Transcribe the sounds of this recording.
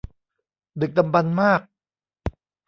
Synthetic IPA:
d̪ɯ˨˩k̚d̪a˧mba˧nmaː˥˩k̚

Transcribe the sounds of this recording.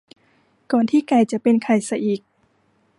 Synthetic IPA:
kɔː˨˩nt̪ʰiː˥˩kaː˧˩jt͡ɕa˨˩ʔpe˧nkʰa˨˩jsa˧ʔiː˨˩k̚

